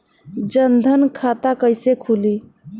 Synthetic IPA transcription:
d͡ʒənd̪ʱənkʰat̪akəjsekʰuli

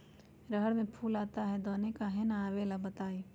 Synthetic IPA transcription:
ɾəɦəɽmẽpʰuːlaːt̪aɦɛd̪oːnekaɦɛnaaːʋeːlabət̪aːe

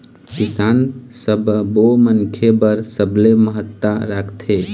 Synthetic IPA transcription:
kisansəbbomənkʰebəɾsəbleməɦət̪ːaɾakʰt̪ʰe

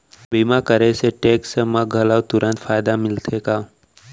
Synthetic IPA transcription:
bimãkəɾeseʈeksəmãɡʱəlaʋt̪uɾə̃nt̪fajd̪amɪlt̪ʰeka

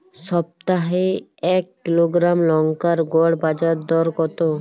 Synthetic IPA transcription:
sɔb̚t̪aɦeɛkːiloɡɾamlɔŋkaɾɡɔɽbad͡ʒaɾd̪ɔɾkɔt̪o

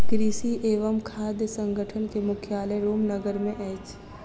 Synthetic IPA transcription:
kɾiːʃiʔeːʋəmkʰaːd̪jəsə̃ŋɡʱəʈʰənkemʊkʰjaːləɾoːmnəɡəɾmẽʔɛːt͡ʃ

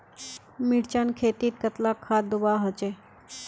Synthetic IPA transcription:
miɽt͡ʃankʰeːt̪iːt̪̚kət̪lakʰːaːd̪ubaːɦot͡ʃe

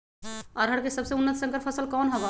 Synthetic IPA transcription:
ɔɾɦəɽkesəbseunːət̪sə̃ŋkəɾpʰəsəlkɔːnɦɐba

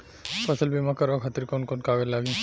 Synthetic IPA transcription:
pəsəlbimakɐɾakʰat̪iɾkonkonkaɡəlaɡĩ

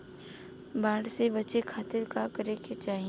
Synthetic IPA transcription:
baːɽsebɐt͡ʃekʰaːt̪ɪɾkakəɾeket͡ʃaːɦi

